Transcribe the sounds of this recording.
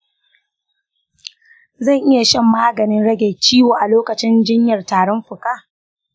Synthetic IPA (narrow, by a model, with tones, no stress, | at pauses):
zɐ˦˨ŋʔɪ˦ja˨ʃɪ˦˨mːaː˦ɡɐ˨nɪ˦nɽɐ˦ɡʲeː˨t͡ʃiː˦woː˨ʔa˨loː˦kɐ˨t͡ʃɪ˦nd͡ʒɪ˦ɲjɐ˨rtaː˨ɽɔ˦mɸʊ˨kaː˦˨